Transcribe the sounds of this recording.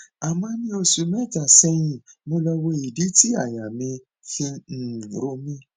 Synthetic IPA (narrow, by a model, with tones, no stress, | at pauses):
a˨mã˧˦nĩ˦o˧su˨mɛ˦˨d͡ʒa˨sɛ˧j̃ĩ˨mo˧lɔ˧we˧i˨di˨˦ti˦a˦˨ja˨mĩ˧ | fĩ˧n̩˦˨ɾo˧˦mĩ˦